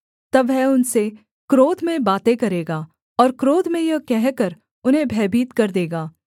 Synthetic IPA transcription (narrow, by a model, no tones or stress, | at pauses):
t̪ɐʋɦɛʊnse | kɾoːd̪mẽbaːt̪ẽkɐɾeːɡaː | ɔːɾkɾoːd̪ʱmẽjɐkɛɦkəɾ | ʊnɦẽbʱɛːbʱiːt̪kɐɾd̪eːɡaː